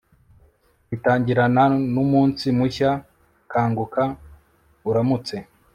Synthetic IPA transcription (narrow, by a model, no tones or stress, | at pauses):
βitaːɲɟiɾananumuːnsimuça | kʰaːŋɡukʰa | uɾamut͡se̞